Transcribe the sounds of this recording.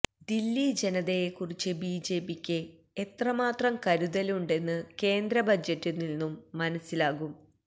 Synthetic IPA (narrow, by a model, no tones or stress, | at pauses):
d̪ilːid͡ʑenɐðejekːurit͡ɕːɨbiːd͡ʑe̞ːpikʲːɨ | et̪rɐmaːt̪rɐmkɐɾuðɐluɳɖe̞nːɨke̞ːnd̪ɾɐbʱɐd͡ʑɐtːinilnːumːɐnɐsːilaːɣum